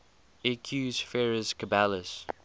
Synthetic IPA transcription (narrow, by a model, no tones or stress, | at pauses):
ɛkʰjuːzfɛɹəskəbæləs